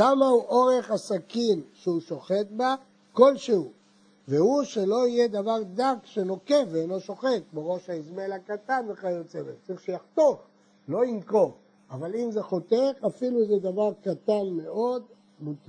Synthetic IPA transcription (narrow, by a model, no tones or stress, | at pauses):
amauʔoʁe̞χasakimʃeuʃo̞χe̞t̪̚ba | ko̞lʃehu | vehuʃe̞lo̞ijed̪avaʁd̪akʃeno̞keveelo̞ʃo̞χe̞t̪̚kboʁo̞ʃaizmelakat̪anveχaot͡se̞vett͡saʁiχʃejaχt̪oχ | lo̞imko̞v | avalimzeχo̞t̪eχafiluzed̪avaʁkat̪anme̞o̞d̪ | mut̪a